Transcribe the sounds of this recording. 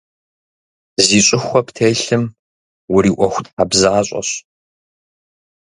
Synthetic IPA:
ziːɕʼɪxʷɔptʰejɬɨm | wʊɾiːʔʷɔxʷtʰħabzaaɕʼɔ̰ɕ

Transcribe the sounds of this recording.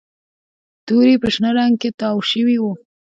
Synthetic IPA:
t̪uɾipəʃnəɾɑŋɡ̚ket̪ɑwʃəwiwu

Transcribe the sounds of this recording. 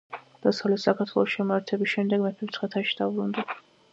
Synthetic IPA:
d̪̥asavlɛt̪sakʰaɾt̪ʰwɛlˠɔsʃɛmaɾt̪ʰɛbisʃɛmd̪ɛɡmɛpʰɛmt̪sʰχɛt̪ʰaʃid̪̥avbɾund̪a

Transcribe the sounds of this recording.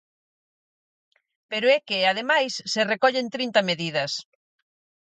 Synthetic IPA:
peɾʊɛkeað̞emajsːerekɔʎent̪ɾint̪ɐmeðiðɐs

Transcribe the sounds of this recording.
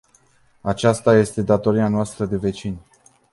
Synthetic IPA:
at͡ʃast̪aje̞st̪e̞d̪at̪o̞ɾianoast̪ɾəd̪e̞ve̞t͡ʃinʲ

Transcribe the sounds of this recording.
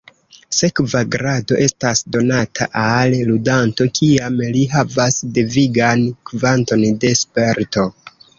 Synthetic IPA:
se̞kvaɡɾado̞ʔe̞stasdo̞natʰa̰ʔalludanto̞kʰiamliɦavasdeviɡankvanto̞nde̞spe̞ɾto̞

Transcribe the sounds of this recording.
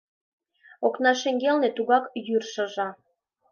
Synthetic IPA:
oknɑʃeŋɡelnĕt̪uɣɑkjyrʃɤ̆ʒɑ

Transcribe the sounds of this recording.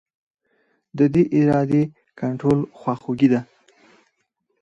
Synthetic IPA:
d̪əd̪eʔɪɾɑd̪e | kaɳʈɾolxwɑxoɡid̪a

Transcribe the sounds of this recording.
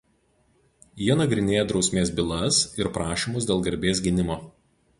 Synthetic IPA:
jiɛnɐɡɾʲɪnʲeːjɛd̪ɾɒʊsʲmʲeːsbʲɪlˠɐsɪɾpɾɑːʃʲiːmʊs̬d̪ʲeːlˠɡɐɾʲbʲeːs̬ɡʲɪnʲɪmoː

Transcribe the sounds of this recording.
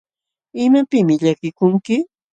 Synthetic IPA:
ɪmapɪmɪʎakɪkʊŋkɪ

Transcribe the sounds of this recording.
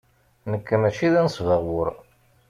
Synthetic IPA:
nəkːmæt͡ʃiðænəsvəʁwəɾ

